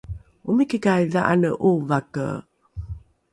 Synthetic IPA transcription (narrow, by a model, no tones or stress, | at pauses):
umikikajðaʔa̰nəʔuvakə̰